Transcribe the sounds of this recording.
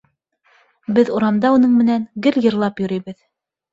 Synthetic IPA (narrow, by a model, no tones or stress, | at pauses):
bɘðuɾɑmd̪ɑunɤɴmɘ̆næŋɡɘljɤ̆ɾlˠɑpjŏɾɤjβɘð